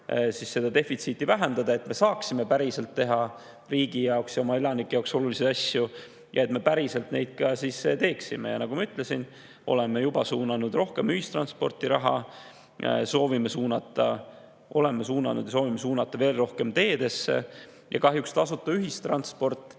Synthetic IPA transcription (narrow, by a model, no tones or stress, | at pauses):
sisːe̞d̪ɑd̪e̞fit̪sit̪ːˑivæɦend̪ɑd̪ɑe̞t̪me̞sɑːksime̞pæɾise̞lt̪ːe̞ɦɑ | riːɡ̥ijɑoksjɑo̞mɑelɑnikːˑeɑokso̞lulised̪ɑsju | jʔɑ̰e̞t̪me̞pæɾise̞lt̪nejd̪̥̚kɑsiset̪e̞ːksime̞̰jɑ̰nɑɡ̥umɑyt̪ːˑle̞sin | ʔo̞̰lemejubɑsuːnɑnud̪ro̞hke̞myhist̪rɑ̰nspo̞rt̪iɾɑɦɑ̰ | so̞ːvimesuːnɑt̪ːˑɑ | ʔo̞̰le̞mesuːnɑ̰nud̪jɑso̞ːvimesuːnɑt̪ːˑɑve̞ːlro̞hke̞mt̪e̞ːd̪̥e̞sːḛ | jɑ̰kɑɦjukst̪ɑsut̪ːˑɑyɦist̪rɑnspo̞rt̪ːˑ